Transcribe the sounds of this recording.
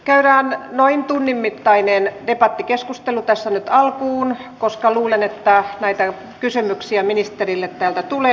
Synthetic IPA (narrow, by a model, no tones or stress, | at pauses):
kæyræːnnoint̪unːimːit̪ːɑinend̥epɑt̪ːikeskust̪elut̪æsːænyt̪ɑlkuːn | koskɑluːlenet̪ːænæit̪æ | kysymyksiæminist̪erilːet̪t̪æːlt̪æt̪ule